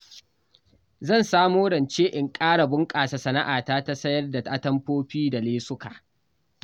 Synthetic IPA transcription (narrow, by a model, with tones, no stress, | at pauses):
zɐ˦˨nsaː˦moː˦ɽɐ˨nt͡ʃeː˦ʔɪ˨ŋkʼaː˦ɽa˨bʊ˦ŋkʼaː˨sa˨sɐ˨na˦ʔaː˨taː˦ta˦sɐ˦jɐ˦rda˨ta˦tɐ˦mɸoː˦ɸiː˦da˨leː˦sʊ˦kaː˨ʔ